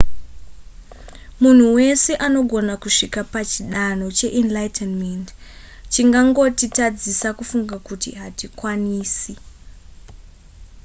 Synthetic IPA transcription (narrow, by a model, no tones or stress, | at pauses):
mun̤uwe̞se̞ʔano̞ɡʱo̞nakuʂikapat͡ʃiɗano̞t͡ʃe̞ʔinlajtʰenmend | t͡ʃiŋɡaŋɡo̞titad͡zisakufuŋɡakutḭɦatikwaniːsi